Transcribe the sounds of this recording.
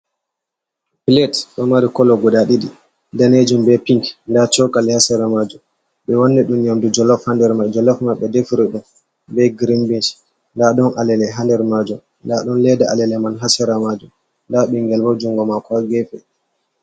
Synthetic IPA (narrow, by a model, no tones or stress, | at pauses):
pilɛtɗɔmaɾikɔlɔɡɔɗaɗidi | daned͡ʒumbɛpiŋkndat͡ʃɔkalɛhasɛɾamad͡ʒum | ɓɛwɔnːɛɗumɲamdud͡ʒɔlɔfhandɛɾmad͡ʒɔlɔfmaɓɛdefiɾɛɗum | bɛɡɾimbint͡ʃ | ndaɗɔnalɛlɛɦandɛɾmad͡ʒum | ndaɗɔnlɛdaalɛlɛmanɦasɛɾamad͡ʒum | ndaɓɛŋɡɛlbad͡ʒuŋɡɔmakɔaɡɛfɛ